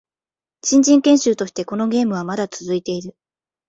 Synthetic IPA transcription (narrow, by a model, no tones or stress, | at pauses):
ɕĩɲ̟d͡ʑĩŋkẽ̞ɰ̃ɕɨːt̪o̞ɕi̥t̪e̞ko̞no̞ɡʲe̞ːmɯ̟β̞amad̪at͡sɨzɨit̪e̞iɾɯ̟